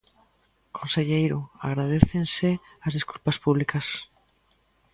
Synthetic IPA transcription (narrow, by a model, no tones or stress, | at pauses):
kʰõnseʎejɾoa̰ɣ̞ɾað̞eθenseazðiskulpaspuβlikas